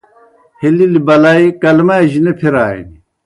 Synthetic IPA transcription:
hililibɐlaikɐlmaeʑinepʰiɾaːḭni

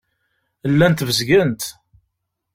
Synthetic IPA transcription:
əlːænt̪vəzɡənt̪

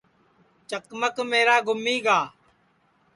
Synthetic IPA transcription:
t͡ʃəkməkmeːɾaːɡʊmːiːɡaː

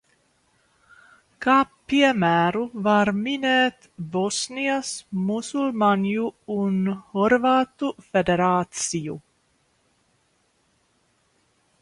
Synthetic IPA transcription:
kaː | iɛmæːɾuvaɾmineːt̪bɔsniasmusulmanjuunhɔɾvat̪ufed̪eɾɑːt̪siju

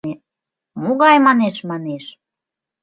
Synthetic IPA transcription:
e | muɣɑjmɑneʃmɑneʃ

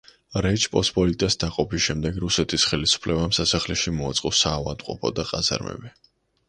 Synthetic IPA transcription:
ɾɛt͡ʃʰpʼɔspʼɔlit̪ʼasd̪̥aqʼɔpʰisʃɛmd̪ɛɡɾusɛt̪ʰisχɛlisu̥pʰlɛbamsasaχlɛʃimɔat̪sʼqʼɔsaːva̰d̪ʼqʼɔpʰɔd̪aqʼaza̰ɾmɛ̰bɛ

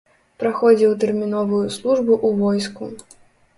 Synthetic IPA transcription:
pɾaxɔd͡zʲiwt̪̬ɛrmʲinɔvujuslˠuʐbuʔuvɔjsku

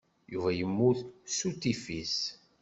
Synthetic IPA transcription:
juvæjəmːuθsut̪ːifis

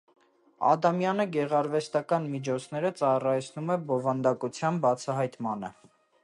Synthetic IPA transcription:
ɑ̰d̪ɑmjɑnəɡɛʁɑɾvɛst̪ɑkɑnmit͡ʃʰɔt͡sʰnɛɾət͡sɑrɑjt͡sʰnumɛbɔvɑnd̪ɑkut͡sʰjɑnbɑt͡sʰɑɦɑjt̪mɑnə̰

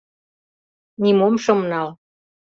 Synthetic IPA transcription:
nimomʃɤ̆mnɑl

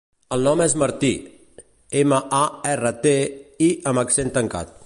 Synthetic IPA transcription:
əlˠnɔmɛzməɾt̪i | eməʔaɛrət̪eiʔəməksent̪əŋka̰t̪̚

